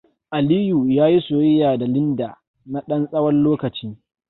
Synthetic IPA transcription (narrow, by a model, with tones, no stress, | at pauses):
ʔa˨liː˦juː˨jaː˦ji˦soː˨jɪ˦jaː˨da˨lɪ˦ndaː˨ | na˦ɗɐ˦nsʼɐ˦wɐ˦nloː˦kɐ˨t͡ʃiː˦